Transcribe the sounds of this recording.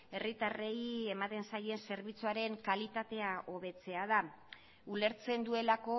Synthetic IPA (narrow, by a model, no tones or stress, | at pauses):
e̞rit̪areje̞mat̪e̞nsaje̞nse̞ɾβit͡suaɾe̞ŋkalit̪at̪e̞aʔo̞β̞e̞t͡se̞aða | ule̞ɾt͡se̞nd̪ue̞lako̞